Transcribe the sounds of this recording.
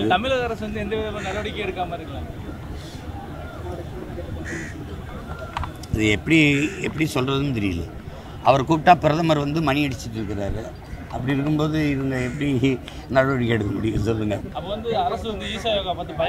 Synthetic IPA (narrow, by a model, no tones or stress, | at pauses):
t̪ɐmɪlɐðɐɾɐsʋɐnd̪ɯɛnd̪ɐʋiːðɐɐnɐɾɐʋɐɽɪkʲːɐɛɽɯkːaːmɐɪɾɯkːɐɭaː | ɐðɯɛpːɐɽiɛ̰pːɐɽisɔlrɐðɯnt̪̬ɛɾɪjɪlːɐ̰ | ɐ̰ʋɐɾkuːʈːaːpɪɾɐðɐmaːɾiʋɐnd̪ɯmɐɳɪɐɽɪt͡ʃːɪʈːɪɾɯkːɪɾaːɾɯ | ɐpːɐɽiɾɯkːɯmpoːðɯɪʋɐŋɡɐɛpːɐɽi | nɐɾɐʋɐɽɪkːɛɽɯkːɐmɐɽɪjɐsɔlːɯŋɡɐɐpːɐːʋɐnd̪ɯɐɾɐsʋɐnd̪ɯiːsaːjoːɣapaːt̪ːɯpɐ